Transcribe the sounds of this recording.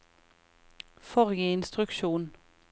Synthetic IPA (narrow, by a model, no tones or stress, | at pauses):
fɔʁɡəɪnst̪ʁʉkʃuːn